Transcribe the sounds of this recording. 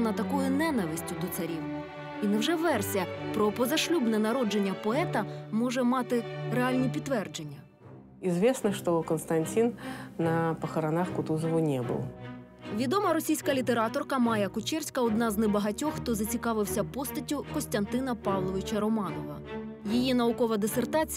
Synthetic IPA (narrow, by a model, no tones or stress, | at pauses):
nɐt̪ɐkɔjʊnɛnɐʋɪsʲtʲʊd̪ɔt̪sɐɾʲiw | inɐwʒɛʋɛrsʲɐpɾɔpɔzɐʃlʲubnɛnɐɾɔd͡ʒe̞nʲːɐpɔɛt̪ɐmɔʒɛmɑt̪ɪɾeɑlʲnʲipʲidt̪ːʋɛrd͡ʒe̞nʲːɐ | izvʲesnɐʂt̪ɔkənst̪ɐnʲtʲinːɐpɐxɐɾanaxkʊt̪uzɔʋʊnʲɛbɨ̰lˠ | ʋʲid̪ɔmɐɾɔsʲijsʲkɐlʲit̪eɾɑt̪ɔrkɐmɑjɐkʊt͡ʃɛrsʲkɐɔd̪nɑznɛbɐɦɐtʲɔxxt̪ɔzɐt͡sʲikɑʋɪwsʲɐpɔst̪ɐtʲʊkɔsʲt̪ʲɐnt̪ɪnɐpɑʋlˠɔʋɪt͡ʃɐɾɔmɑnɔʋɐ | jijinɐʊkɔʋɐd̪esert̪ɑt͡sʲ